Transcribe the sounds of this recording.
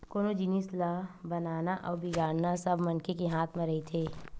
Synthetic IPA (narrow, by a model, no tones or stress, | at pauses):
koːnod͡ʒɪnislabɐnaːnaʔɔːbɪɡaːɽnasɐbʱmɐnkekeɦaːt̪ʰmẽɾɐɦit̪ʰeː